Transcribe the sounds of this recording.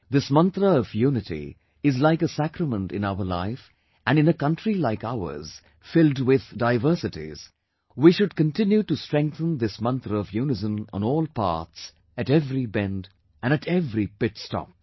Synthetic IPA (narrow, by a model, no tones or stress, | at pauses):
ðɪsmʌ̃nt̪ɾəʌvjunɨtḭ | ɪzlaɪkəsækɾəmə̃ntɨ̰̃naʊəla̰ɪf | ʔɨ̃nɨ̃nəkʌ̃ntʰɹilaɪkaʊə̰˞z̥ | fɪlˠdwɪðdaɪvə˞sɨtḭz̥ | wiʃʊd̚kə̃ntɪ̃njuʈustɹ̥ɛ̃ŋk̚θə̃nðɨsmʌ̃nt̪ɾəʌvjunɨzə̃mə̰̃nɔːlˠpɑ̰ɹts | ɨɾɛvɾibɛ̃nd | ʔɨ̃nɨtʰɛvɾipɪtstɔ̰p̚